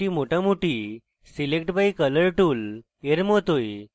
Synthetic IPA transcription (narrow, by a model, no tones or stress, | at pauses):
imoʈãmuʈi | silekʈbʱaikələɾʈuːl | eɾmot̪oj